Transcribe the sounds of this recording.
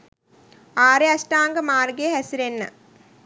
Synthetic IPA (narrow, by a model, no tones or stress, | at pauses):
aːɾeɐsʈaːŋɡɐmaːrɡeɦɐsiɾenːɐ̰